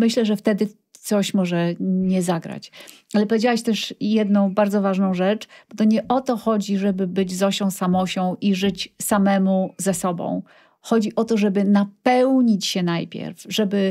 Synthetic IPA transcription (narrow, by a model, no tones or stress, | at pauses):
mɘɕlɛʐɛft̪ɛd̪ɘ | t̪sɔɕmɔʐɛɲɛzaɡɾa̰t͡ɕalɛpɔvʲjed͡ʑawɛɕt̪ɛʂjɛd̪nɔ̃w̃baɾd̪zɔvaʐnɔ̃w̃ʐɛt͡ʂb̥ɔt̪ɔɲɛʔɔt̪ɔxɔd͡ʑiʐɛbɘbɘd͡ʑzɔɕɔ̃w̃samɔɕɔ̃w̃ʔiʐɘt͡ɕsamɛmuzɛsɔbɔ̰̃w̃ | xɔd͡ʑiʔɔt̪ɔʐɛbɘnapɛwɲit͡ɕɕɛnajpʲjɛ̰ɾfʐɛbɘ